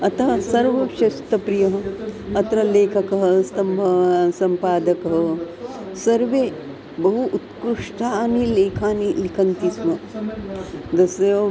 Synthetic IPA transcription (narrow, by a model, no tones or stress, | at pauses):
ɐt̪ɐɦɐsɐɾʋɐʃɐst̪ɐpɾijɐɦɐɐt̪ɾɐleːkʰɐkɐɦɐ̆sɐmbʱɐʋsɐmpaːd̪ɐkɐɦɐ | sɐɾʋeː | bɐɦuʔut̪kɾuʂʈʰaːnileːkʰaːnilikʰɐnt̪isʋɐ | d̪ɐsɐjoː